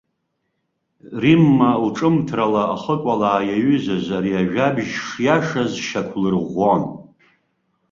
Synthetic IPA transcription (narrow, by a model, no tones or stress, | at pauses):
rimːalʈ͡ʂʼɨmtʰralaaχəkʷʼalaːjaɥʏzazaɾiaʒᶣabʒʂjaʂazʃakʷʰlɨrʁʷon